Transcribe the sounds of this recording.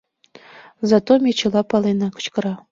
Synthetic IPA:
zɑt̪omʲet͡ɕɤ̆lˠɑpɑlˠenɑkə̥̆t͡ɕkɤ̆ɾɑ

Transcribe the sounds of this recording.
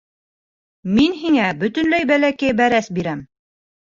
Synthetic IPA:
minɦiŋæbɵ̆t̪ɵ̆nlæjbælækæjbæɾæsbiɾæm

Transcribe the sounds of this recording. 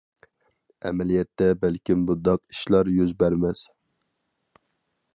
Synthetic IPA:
ɛ̰mɛlijɛt̪ːɛbælkʲimbud̪ɑqi̥ʃlˠɑɾjyzbæɾmɛs

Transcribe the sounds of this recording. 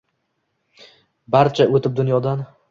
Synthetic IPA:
baɾt͡ʃʰaʔot̪ʰɪp̚d̪ʊnjɒd̪an

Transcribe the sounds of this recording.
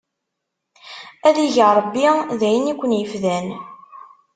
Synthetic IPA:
æðiʝəɾˤəbːiðæjənikʷːənjəfðæn

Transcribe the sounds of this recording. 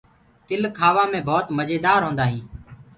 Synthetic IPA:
t̪ɪlkʰaːʋãːmẽːbʱoːt̪məd͡ʒeːd̪aːɾɦõːnd̪aːɦĩː

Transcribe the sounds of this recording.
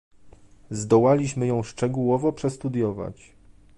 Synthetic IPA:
zd̪ɔwalʲiɕmɘjɔ̃w̃ʂt͡ʂɛɡuwɔvɔpʂɛst̪ud̪jɔva̰t͡ɕ

